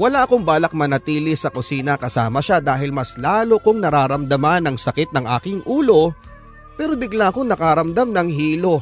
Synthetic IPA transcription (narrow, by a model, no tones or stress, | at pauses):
wɐlaʔɐko̞ŋbaːlɐk̚mɐnɐt̪iːlɪsɐkʊsiːnɐkɐsaːmɐʃad̪aːɦɪlmɐslaːlo̞koŋnɐɾaːɾɐmd̪ɐmanɐŋsɐkɪt̪̚nɐŋʔa̰ːkɪŋʔuːlo̞ | pɛːɾo̞bɪɡlaʔɐko̞ŋnɐkaɾɐmd̪amnɐŋɦiːlo̞